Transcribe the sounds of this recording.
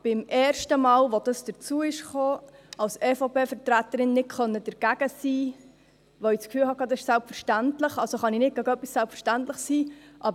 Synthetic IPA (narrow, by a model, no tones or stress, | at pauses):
b̥ɪmʔɛːɾʃtəmɑːlʋod̥əsd̥əɾt͡suəɪʃχoːɑlsɛːfopeːfəɾtɾæt̪əɾɪnːɪt̚kχœnːəd̥əɾɡ̥æɡ̥əsiː | ʋoit͡skfyːlhɑkɑd̪əsɪʃsælpfəɾʃtæntləχɑlsoχɑninɪt̚ɡæɡœpːissælpfəɾʃtæntləχsiːʔɑb